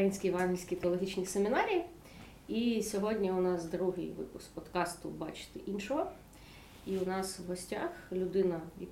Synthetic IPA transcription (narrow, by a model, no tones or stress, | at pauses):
kjinʲsʲkʲijʋɑnɦlʲisʲkʲit̪eɔlˠɔɦit͡ʃnʲisemʲɪnɑɾʲiji | isʲɔɦɔdʲnʲiʊnɑsd̪ɾuɦɪ̰jʋɪ̰pʊsk̚pɔd̪kɑst̪ʊ̰bɑ̰t͡ʃɪ̥t̪ɪʔinʃɔɦɔ | iʊnɑswɦɔsʲtʲa̰xlʲʊd̪ɪnɐḭ